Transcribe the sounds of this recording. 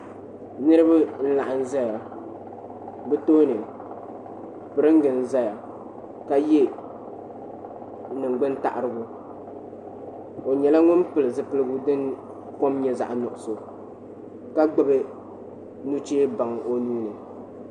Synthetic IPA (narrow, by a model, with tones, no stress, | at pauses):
nɨ˦ɾɨ˦bɨ˦n̩˦la˨ʔa˨n̩˦za˦ja˨ | bɨ˦toː˦nɨ˨ | pɨ˨ɾɨ˦ŋ˦ɡɨ˨n̩˦za˦ja˨ | ka˦jɛ˦ | nɨ˨ŋ˨ɡ͡bɨ˦nta̰˦ʔa˨ɾɨ˦ɡʊ˦ | o˨ɲɛ˨la˦ŋʊ˦npɨ˨lɨ˨zɨ˦pɨ˦lɨ˦ɡʊ˦dɨ˦n | ko˦mɲɛ˨za̰˨ʔa˨nɔ˨ʔʊ˨so˨ | ka˦ɡ͡bɨ˦bɨ˦ | nu˦t͡ʃeː˦ba˨ŋ˨o˦nuː˦nɨ˨